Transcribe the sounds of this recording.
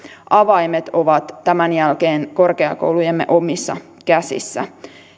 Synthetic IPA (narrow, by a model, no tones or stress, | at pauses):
ʔɑʋɑjmet̪o̞ʋɑt̪ːæmænjælkeːnko̞rkeɑ̰ko̰wlujemːḛʔo̞misːɑ̰ | kæsḭsːæ̰